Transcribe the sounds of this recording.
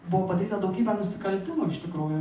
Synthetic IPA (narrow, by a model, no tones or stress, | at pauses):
bʊʋɔpɐd̪ɐɾʲiːt̪ɐd̪ɐʊɡʲiːbʲɛnʊsʲɪ̥kɐlʲt̪ʲɪmoːɪʃʲt̪ʲɪkɾuːjʊ